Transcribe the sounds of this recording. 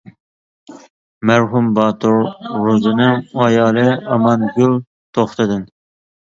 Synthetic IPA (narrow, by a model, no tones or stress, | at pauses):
mæɾɦumbɑːt̪ʰʊɾɾuzɨnɨŋɑjɑːlˠɨɑmɑnɡʲyl | t̪ʰoχt̪ɨd̪ɨn